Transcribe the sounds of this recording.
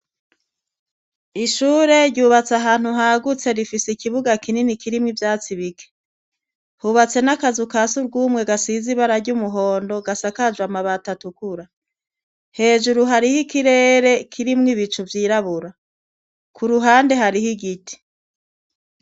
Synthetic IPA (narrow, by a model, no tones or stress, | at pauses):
iʃuːɾe̞ɾɟuːβat͡saɦaːn̥huɦaɡut͡se̞ɾifiseikiβuɡakininikʰiɾimŋivjaːt͡siβike̥ | huβat͡se̞nakazukasuɾɡuːmŋe̞ɡasiziβaɾaɾɟumuɦo̞ːndo̞ɡasakaʒwamaβatatukuɾa | he̞ːʒuɾuɦaɾihikiɾe̞ːɾe̞kʰiɾimŋiβit͡ʃuvjiːɾaβuɾa | kʰuɾuɦaːnde̞ɦaɾihiɡiti̥